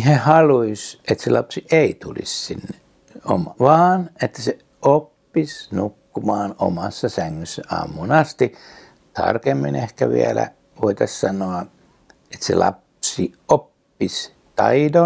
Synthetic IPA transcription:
hehɑluiset̪selɑpsiʔeit̪ulḭssinːe | o̰mɑʋɑːnet̪ːæ̥se | opːisnukːumɑːno̰mɑsːɑsæŋːøsːæʔɑ̰ːmːunɑst̪i | t̪ɑ̰rkemːinehkæʋḭælæ̰ | ʋoit̪ɑssɑnoɑ | et̪sḛlɑ̰psiopːis | t̪ɑido

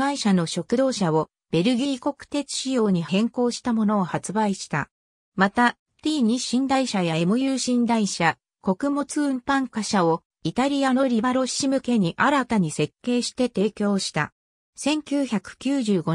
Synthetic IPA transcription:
aiɕano̞ɕo̞kɯ̟d̪o̞ːɕao̞ | b̥e̞ɾɯ̟ɡʲiiko̞kɯ̟̥t̪e̞t͡si̥ɕijo̞ːɲ̟ihẽ̞ŋko̞ːɕi̥t̪amo̞no̞ːhat͡sɨbaiɕi̥t̪a̰ | mat̪a | t̪ʲiːɲ̟iɕĩnd̪aiɕajaemojɯːɕĩnd̪aiɕa | ko̞kɯ̟mo̞t͡sɨɯ̟̃mpãŋkaɕao̞ | it̪aɾʲijano̞ɾʲibaɾo̞ɕimɯ̟ke̞ɲ̟iʔaɾat̪aɲ̟ise̞kːe̞ːɕi̥t̪e̞t̪e̞ːkʲo̞ːɕi̥t̪a̰ | sẽ̞ŋkʲɨːçakɯ̟̥kʲɨːʑɨːɡo̞

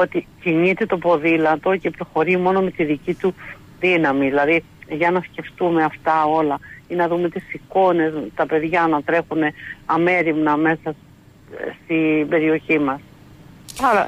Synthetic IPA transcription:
o̞t̪iciɲit̪et̪o̞po̞ðilɐt̪o̞ce̞pɾo̞xo̞ɾimo̞no̞me̞t̪iðicit̪u | ðinɐmiðilɐði | ʝɐnɐsce̞ft̪ume̞ɐft̪ɐo̞lɐinɐðume̞t̪isiko̞ne̞st̪ɐpe̞ðʝɐnɐt̪ɾe̞xune̞ɐme̞ɾimnɐme̞sɐ | st̪ibe̞ɾio̞çimɐs | ɐɾɐ̰

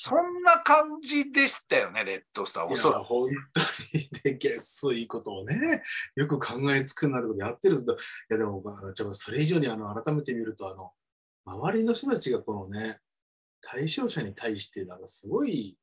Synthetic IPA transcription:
sõ̞nːakãɲd͡ʑid̪e̞ɕi̥t̪ajo̞ne̞ɾe̞t̪ːost̪a̰oaohõ̞nt̪o̞ɲid̪eɡe̞sɨiko̞t̪o̞ːne̞jo̞kɯ̟kʰãŋɡae̞t͡sɨ̥kɯ̟nːat̪o̞koejat̪ːe̞ɾɯoed̪ojad̪e̞mo̞manot͡ɕoaso̞ɾe̞iʑo̞ːɲ̟iano̞aɾat̪ame̞t̪e̞mʲiɾɯ̟t̪o̞ano̞ | maβaɾʲino̞ç̥t̪o̞t̪at͡ɕiɡako̞no̞ne̞ | t̪ʰaiɕo̞ːɕaɲ̟it̪ʰaiɕi̥t̪e̞nãŋkasɨɡo̞i

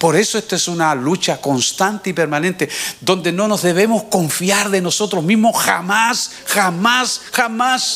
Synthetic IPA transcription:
po̞ɾe̞soest̪oesunalut͡ʃako̞nst̪ant̪eipe̞ɾmãnẽnt̪eðõ̞nd̪e̞no̞no̞zðe̞β̞e̞mo̞skõ̞ɱfjaɾðe̞no̞so̞t̪ɾoɦmĩɦmosxa̰mas | xamasxamas

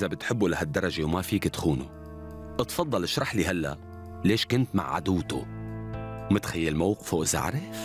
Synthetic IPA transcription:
zabɪt̪ħɪbːulahad̪ːɑɾˤːɑʒewmafiːkɪt̪xuːnṵ | ʔɨt̪fɑd̪ˤːɑlɪʃɾˤɑħliɦalːa̰ʔ | leːʃkʊnt̪ma̰ʕʕa̰d̪uːt̪ṵ | wmɪt̪xajːalmawqɪ̥fuʔɪza̰ʕɾɪf

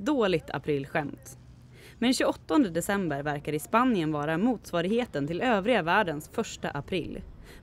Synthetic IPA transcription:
d̪oːlɪɡt̪ʰa̰pʰɾɪlːɧɛmt̪ | mɛnɕʉɡɔt̪ːɔnd̪əd̪ɛsɛmbəɾvæɾkaɾɪspanɪənvɑːɾamuːt̪svɑːɾɪɡheːt̪ənt̪ʰɪløːvɾɪɡavæːɖənsfœʂʈa̰ʔapʰɾɪ̰lː

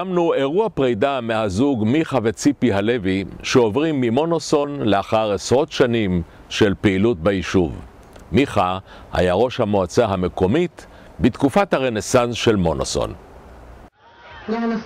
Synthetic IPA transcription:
amnue̞ʁuapʁejdamehazuɡmiχave̞t͡sipiɦaleviʃeo̞vʁimːimo̞noso̞nleaχaʁesʁo̞t̪ʃanim | ʃe̞lpeilut̚beiʃuv | miχa | ha̰jaʁo̞ʃhamoat͡saɦame̞ko̞mit | bit̪kufathaʁene̞sansʃe̞lmo̞noso̰n

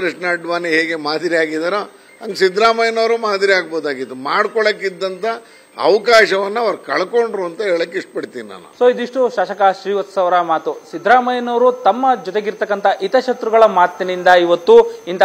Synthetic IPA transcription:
ɾɐʂnaːɖʋaːniɦeːɡemaːd̪iɾiaːɡid̪aːɾo | ɐŋɡsid̪ɾaːmɐjɐnɐʋɾumaːd̪iɾiaːɡboːd̪aːɡit̪ːumaːɽkɔɭokid̪ːɐnt̪ʰɐ | ɐ̰ʋɐkaːʃɐʋɐnːɐɐʋɐɾɐkɐɭkoɳɖɾuːɐnt̪ɐɦeːɭlikːiʂʈ̚pɐɽt̪iːnina̰ːnṵsoːid̪iʂʈuʃaːʃɐkaʃɾiːʋɐt̪ːsɐʋɐɾɐmaːt̪usid̪ɾaːmɐjɐnɐʋɾut̪ɐmːɐd͡ʒɔt̪e̞ɡiɾt̪ɐkːɐnt̪ʰɐʔit̪ɐʃɐt̪ɾuɡɐɭɐmaːt̪ːinind̪ɐiʋɐt̪ːuint̪ɐ

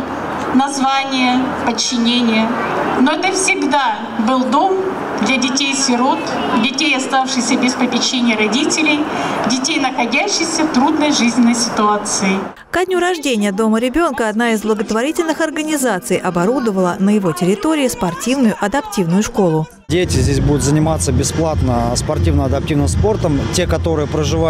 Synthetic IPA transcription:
nɐzvanʲɪjəpət͡ɕːɪnʲenʲɪjə | noɛt̪əfsʲɪɡd̪a | bɨlˠd̪o̞m | d̪lʲɐdʲɪtʲejsʲvʲɪɾot̪ | dʲɪtʲejɐst̪afʂɨxsʲəbʲɪspəpʲɪt͡ɕːenʲɪjəɾɐdʲitʲɪlʲɪjdʲɪtʲejnəxɐdʲæɕːɪsʲət̪ɾud̪nəjʐɨzʲnʲɪnːəjsʲɪt̪ʊat̪sɨɪ | kɐdʲnʲuɾɐʐdʲenʲɪjəd̪o̞məɾʲɪbʲo̞nkəɐd̪naɪzblˠəɡət̪vɐɾʲitʲɪlʲnɨxɐrɡənʲɪzat̪sɨjʔɐbɐɾud̪əvəlˠənəjɪvo̞tʲɪɾʲɪt̪o̞ɾʲɪɪspɐrtʲivnʊjʊʔɐd̪ɐptʲivnʊjʊʂko̞lˠʊ | dʲetʲɪzʲdʲesʲbud̪ʊt̪zənʲɪmat̪səbʲɪsplˠat̪nəspɐrtʲivnəɐd̪ɐp̚tʲivnɨmspo̞rt̪əmtʲekɐt̪o̞ɾɨjəpɾəʐɨva

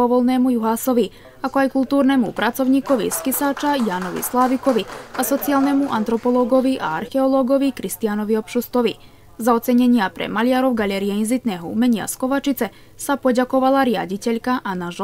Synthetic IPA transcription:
oʋolnemujuɦaso̞ʋi | akoajkulˠt̪uːɾnemupɾat̪so̞ʋniːko̞ʋḭskisaːt͡ʃajaːno̞ʋḭslˠaːʋiko̞ʋiaso̞t̪sijaːlˠnemuʔant̪ɾo̞po̞lˠoɡo̞ʋiʔaaɾxeolˠoɡo̞ʋikɾist̪ijano̞ʋio̞pʃust̪oʋi | zao̞t̪seɲeɲiapɾḛmalijaɾoʋɡaʎeɾijeinzit̪neɦoṵmeɲia̰sko̞ʋat͡ʃit̪se | sapo̞ɟako̞ʋalˠaɾja̰dite̞ʎkaʔanaʒ

